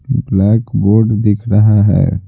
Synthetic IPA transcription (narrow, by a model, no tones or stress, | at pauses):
blɛːkboːɾɖd̪ɪkʰɾɐɦaɦɛ̰ː